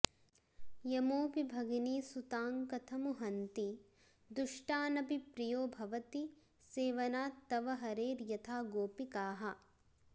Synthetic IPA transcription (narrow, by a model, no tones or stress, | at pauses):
jɐmoːpibʱɐɡiniːsut̪aːŋkɐt̪ʰɐmuɦɐnt̪i | d̪uʂʈaːnɐbipɾijoːbʱɐʋɐt̪i | seːʋɐnaːt̪ːɐʋɐɦɐɾeːɾjɐt̪ʰaːɡoːpikaːɦɐ̆